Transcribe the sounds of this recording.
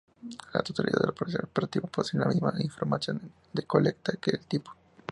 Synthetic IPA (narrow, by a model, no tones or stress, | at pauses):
la̰t̪ot̪alḭða̰ða̰poɾ̰peɾt̪iβapoðseɾlamizmaʔiɱfo̞ɾmasjo̞n | d̪eko̞lek̚t̪akeːlt̪ipo̥